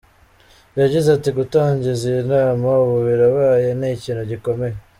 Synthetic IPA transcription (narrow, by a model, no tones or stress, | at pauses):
jaɟizatiɡutaːɲɟizinaːmauβuβiɾoβaːjeniciːnhuɟiko̞me̞je